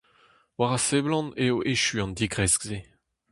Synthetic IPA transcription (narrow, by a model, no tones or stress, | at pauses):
waʁaseblɑ̃neoʔeʃyɑ̃ndiɡʁɛskze